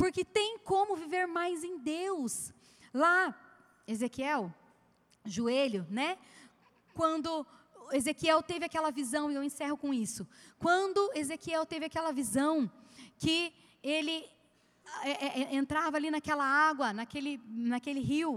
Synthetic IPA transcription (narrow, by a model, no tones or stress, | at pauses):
pʊɾkɪt̪ẽj̃kõmʊviveɾmajzẽj̃d̪ews | la | ezekiɛw | ʒuelʊnɛ | kwɐ̃nd̪ʊ | ezekiɛwt̪evɪakɛlɐvizɐ̃w̃ɪewẽsɛhʊkõisʊkwɐ̃nd̪ʊezekiɛwt̪evɪakɛlɐvizɐ̃w̃kɪ | elɪ | ɛɛẽnt̪ɾavɐalinɐkɛlɐaɡwɐnɐkelɪnɐkelɪɦiw